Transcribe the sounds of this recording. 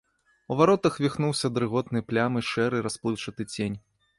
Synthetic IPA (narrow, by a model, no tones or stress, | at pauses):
uvaɾɔt̪ɐxvʲixnuwsʲɐd̪ɾɨɣɔt̪nɨplʲamɨʂɛɾɨɾasplˠɨt͡ʂɐt̪ɨt͡sʲenʲ